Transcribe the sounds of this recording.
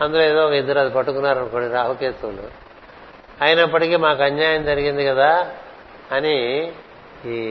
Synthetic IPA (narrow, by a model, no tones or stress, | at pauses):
ɐnd̪uloːeːd̪ɔːɔkɐid̪ːɐɾɐd̪ipɐʈːukunːaːɾɐnɐkoːɽiɾaːʋɐket̪ɐlṵ | ɐjɐnɐpːɐʈikiːmaːkuɐɲjaːjɐmd͡ʒɐɾiɡind̪ikɐd̪aː | ɐni